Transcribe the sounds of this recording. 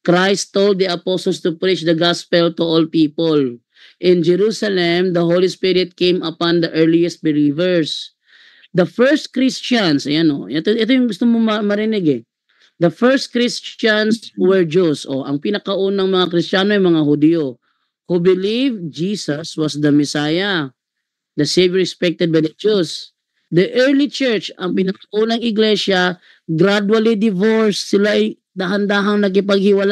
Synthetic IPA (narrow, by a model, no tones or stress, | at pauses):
kɾajst̪ːold̪̚diɐposɔlst̪ʊpɾit͡ʃd̪ɐɡaspɛlt̪ʊʔolpiːpol | ʔɪ̃nd͡ʒɛɾusalɛmd̪ɐɦolispiɾɪd̪̚kẽjmɐpãnd̪ɐʔɛɹliɛst̪̚bɪliːvɛɹs | d̪ɐfɛɹst̪̚kɾist͡ʃansɐjano̰ɛt̪oʔɛt̪ojʊŋɡʊst̪omomɐmɐɾɪnɪɡɛ | d̪ɐfɛɹst̪̚kɾist͡ʃanswɛɹd͡ʒusʔoʔɐŋpɪnɐkɐʔunɐŋmɐŋakɾɪst͡ʃanoʔɐjmɐŋahʊd̪ijo | kubɪlivd͡ʒisɐswɐsd̪ɐmɛsaːjɐ | d̪ɐsevjoɹɛkspɛk̚t̪ɛd̪̚bajd̪ɐd͡ʒus | d̪ɐʔɛɹlit͡ʃɛɹt͡ʃɐŋpɪnɐkɐʔunɐŋɪɡlɛsjɐ | ɡɾad̪wɐlid̪ɪvoɹsːɪlaɐj | d̪aɦɐnd̪aːɦɐŋnɐɡ̬ɪpɐɡ̚hɪwɐla